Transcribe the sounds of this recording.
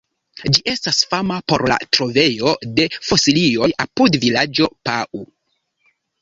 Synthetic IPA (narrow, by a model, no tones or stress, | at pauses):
d͡ʒiʔe̞stasfamapo̞ɾla̰tɾo̞ve̞jo̞de̞fo̞silio̞japudvilad͡ʒo̞paʔu